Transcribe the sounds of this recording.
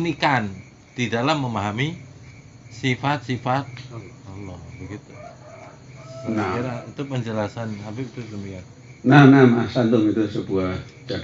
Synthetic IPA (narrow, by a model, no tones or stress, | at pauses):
nikan | d̥idalamːəmaɦami | sifat̪̚sifat̪̚ɔlɔhbəɡit̪u | naaɾait̪ʊpəɲd͡ʒəlasanhabipit̪udəmiat̪ | nanamasant̪ʊŋit̪usəbuad͡ʒ̥a